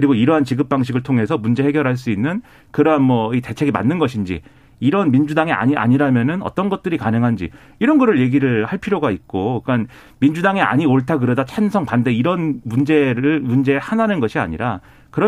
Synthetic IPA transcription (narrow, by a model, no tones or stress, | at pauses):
kɯɾiɡoiɾʌɦant͡ɕiɡɯp̚p͈aŋɕ̬ʰiɡɯɭtʰoŋɦe̞sʰʌmund͡ʑe̞ɦe̞ɡjʌɾɦaɭs̬͈uinːɯn | kɯɾʌɦanmwʌite̞t͡ɕʰe̞ɡima̰nːɯnɡʌɕʰind͡ʑḭ | iɾʌnmind͡ʑudaŋea̰ɲia̰ɲiɾamjʌnɯnʌ̰t͈ʌnɡʌt̚t͈ɯɾikanɯŋɦand͡ʑḭ | iɾʌnɡʌɾɯɭje̞ɡiɾɯɭhaɭpʰiɾjoɡait̚k͈oik͈an | mind͡ʑudaŋea̰ɲioɭtʰak̬ɯɾʌdat͡ɕʰansʰʌŋpande̞iɾʌnmund͡ʑe̞ɾɯɭmund͡ʑe̞hananɯnɡʌɕʰia̰ɲḭɾa | kɯɾʌ